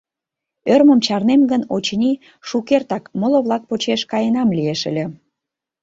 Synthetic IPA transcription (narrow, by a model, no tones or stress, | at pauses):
ørməmt͡ɕɑrnemɡənot͡ɕnʲi | ʃukert̪ɑkmoloβlɑk̚pot͡ɕeʃkɑjenɑmlieʃə̰lʲĕ